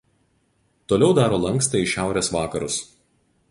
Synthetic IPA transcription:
t̪oːlʲɛʊd̪ɑːɾoːlˠɐŋkst̪ɐɪʃʲæˑʊɾʲeːsʋɑːkɐɾʊs

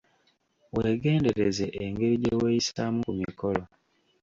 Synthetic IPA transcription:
weːɡe̞ːnde̞ɾezeʔːŋɡe̞ɾiɟeweːjisamukumikʰo̞lo

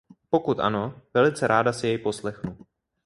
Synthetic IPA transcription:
po̞kut̪ʔa̰no̞vɛlɪt͡sɛɾʔaːdasɪjɛjpo̞slɛxnu

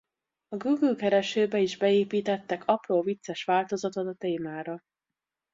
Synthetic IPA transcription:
ɒɡuːɡylkɛɾɛʃøːbɛiʒbɛeːpiːt̪ɛt̪ːɛkɒproːvit̪sɛʃʋaːlt̪o̞zɒt̪o̞t̪ɒt̪eːmaːɾɒ

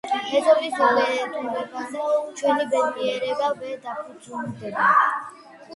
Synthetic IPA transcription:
ɛzɔbisɔlɛɾɛt̪ʰuɾɛbasɛt͡ʃʰwɛnibɛniɛɾɛbavɛɾd̪apʰud̪zuld̪ɛba

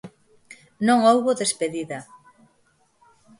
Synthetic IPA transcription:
nõŋowβoðespeðiðɐ

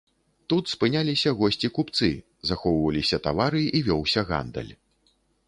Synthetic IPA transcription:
t̪ut̪spɨnʲalʲisʲɐɣɔsʲt͡sʲikupt̪sɨ | zaxɔwvɐlʲisʲɐt̪avaɾɨivʲɔwsʲɐɣa̰nd̪ɐ̰lʲ

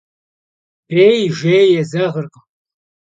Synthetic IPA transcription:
b̥eːjʒʷejjɛzɐʁərq

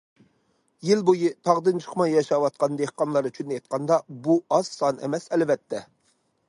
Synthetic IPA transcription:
jilbojit̪ʰɑʁd̪ɨnt͡ʃʰə̥χʰmɑjːɑʃɑwɑt̪̚qʰɑnd̪ehqɑnlˠɑɾyt͡ʃʰynɛjt̪̚qʰɑnd̪ɑbuɑz̥sɑnɛ̰mɛsɛlvɛt̪ʰːɛ

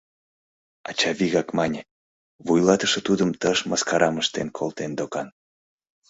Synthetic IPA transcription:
ɑ̰t͡ɕɑβiɣɑkmɑnʲe | βujlɑt̪ə̥ʃə̆t̪ud̪əmt̪əʃmɑskɑɾɑməʃt̪enkʰolˠt̪end̪okɑn

